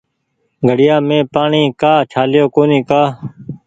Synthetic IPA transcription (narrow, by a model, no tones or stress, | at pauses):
ɡʱəɽɪjaːmẽːpaːɳĩːkaːt͡ʃʰaːlɪjoːkoːnĩːkaː